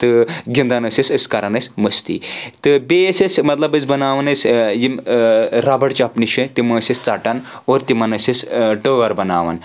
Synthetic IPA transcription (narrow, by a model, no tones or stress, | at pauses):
t̪ɨɡʲind̪anɐsesʲəskɐɾanɐsʲmɐst̪ḭt̪ɨbesʲesmɐt̪lɐbɐt͡sbɐnaːʋɐnɐsʲjimɾabɐɽt͡ʃapniʃɐt̪imɐsest͡saːʈanoːɾt̪imɐnɐsʲesʈəʋɐɾbɐna̰ːʋa̰n